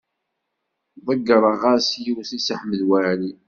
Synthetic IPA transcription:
ðˤəɡːɾˤɑʁasjiwθisəħməðwæɾi

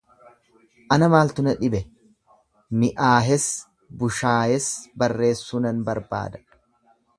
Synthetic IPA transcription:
ʔɐnɐmaːlt̪ʊnɐᶑɪbɛ | mɪʔaːɦɛs | bʊʃaːhɛsbɐrːe̞ːsːunɐnbɐɾba̰ːd̪ɐ̥

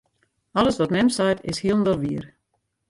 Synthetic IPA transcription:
ɔləsʋɔtmɛmsajtɪ̰shiəlˠndɔlˠʋiər

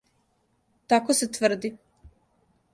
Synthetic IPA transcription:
t̪akoset̪ʋr̩d̪i

